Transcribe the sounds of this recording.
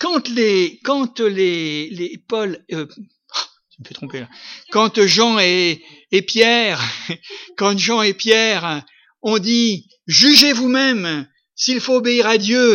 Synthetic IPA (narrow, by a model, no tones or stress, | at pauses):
kɑ̃t̪lekɑ̃t̪lelepɔlø | t̪ynəpøt̪χɔ̃pelakɑ̃t̪ʒɑ̃e | epjɛʁ | kɑ̃ʒɑ̃epjɛʁ | ɔ̃d̪i | ʒyʒevumɛm | silfoːbeiʁad̪jø